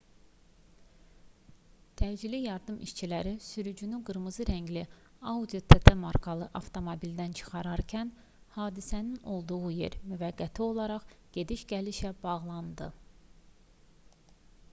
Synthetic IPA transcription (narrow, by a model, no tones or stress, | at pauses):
t̪ʰæd͡ʒilijɑɾd̪ɯmḭʃt͡ʃʰilæɾisyɾyd͡ʒynyɡɯɾmɯzɯɾæɲɟliɑud̪ijot̪ʰet̪ʰemɑɾkʰɑlˠɯʔɑft̪ʰo̞mobild̪ænt͡ʃʰɯ̥χɑɾɑɾcʰæn | hɑːd̪isænino̞lˠd̪uʁuje̞̰ɾmyvæɡːæt̪ʰio̞lˠɑɾɑχɟ̥e̞d̪iʃɟæliʃæb̥ɑʁlˠɑnd̪ɯ